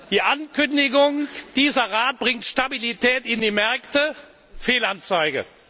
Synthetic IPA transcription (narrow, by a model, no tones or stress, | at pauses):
d̥iːʔankʏndɪɡʊŋd̥iːzɐʁaːt̚b̥ʁɪŋtʃtabilitɛːtɪndiːmɛɐktə | feːlant͡saɪɡə̰